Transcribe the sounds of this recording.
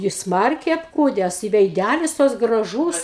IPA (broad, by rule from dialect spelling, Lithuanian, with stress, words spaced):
jɪs ˈsmɐrʲkʲɛɪ ɐpˈkuːdʲɛs ɪ ʋʲɛɪˈdʲælʲɪs toːks ɡrɐˈʒuːs